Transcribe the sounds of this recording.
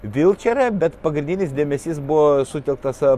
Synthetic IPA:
ʋʲɪlˠʲt͡ʃʲɛɾʲɛbʲɛt̪pɐɡɾʲɪnʲd̪ʲɪnʲɪsd̪ʲeːmʲɛsʲisbʊʋoːsʊt̪ʲɛlˠk̚t̪ɐs

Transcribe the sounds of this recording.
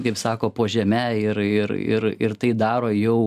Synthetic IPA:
kɐɪpsɑːkoːpoːʒʲɛmʲæɪɾɪɾɪ̰ɾɪɾt̪ɐɪd̪ɑːɾoːjɛʊ

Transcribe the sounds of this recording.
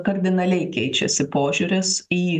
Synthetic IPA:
kɐɾʲd̪ʲɪnɐlʲɛɪkʲɛɪt͡ʃʲɛ̰sʲɪpoːʒʲuːɾʲɪsiː

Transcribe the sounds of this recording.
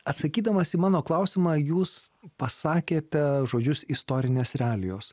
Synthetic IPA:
ɐt̪sɐkʲiːd̪ɐmɐsiːmɑːnoːklˠɐʊsʲɪmɑːjuːspɐsɑːkʲeːt̪ʲɛʒoːd͡ʒʲʊsɪst̪oːɾʲɪnʲeːsɾʲɛɑːlʲɪjoːs

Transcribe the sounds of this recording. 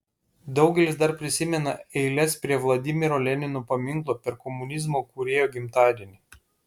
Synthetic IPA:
d̪ɒʊɡʲɛlʲɪsd̪ɐɾpʲɾʲɪsʲɪmʲɛnɐɛɪlʲɛspʲɾʲiɛʋlˠɐd̪ʲɪmʲɪɾoːlʲɛnʲɪnoːpɐmʲɪŋklˠoːpʲɛɾkɔmʊnʲɪzmoːkuɾʲeːjoːɡʲɪmt̪ɑːd̪ʲinʲɪ

